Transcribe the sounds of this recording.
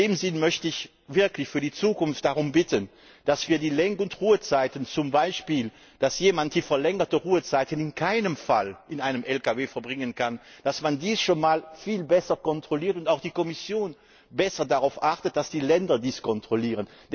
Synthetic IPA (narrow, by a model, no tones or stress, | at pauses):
eːmzɪnmœçtəɪç | vɪɐklɪçfyːɐdiːt͡suːkʊnft̚d̥aʁʊmbɪtən | d̥asv̥iːɐdiːlɛŋkəʊntʁuːət͡saɪtənt͡sʊmbaɪʃpiːl | d̥asjeːmant̚d̥iːfɛɐlɛŋətəʁuːət͡saɪtənɪnkʰaɪnəmfalʔɪnaɪnəmʔɛlkaveːfɛɐbʁɪŋənkʰand̥asmandiːsʃoːnmaːlfiːlbɛsɐkɔntʁ̥oliːɐtʊntaʊxd̥iːkɔmɪsjoːn | bɛsɐdaʁaʊfʔaʁtət̚d̥asd̥iːlɛndɐdiːskʰɔntʁ̥oliːʁənd